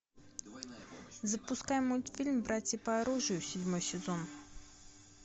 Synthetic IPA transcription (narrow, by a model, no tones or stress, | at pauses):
zəpʊskajmojt̪fʲilʲmbɾatʲəpɐɐɾuʐɨjʊsʲɪdʲmojsʲɪzon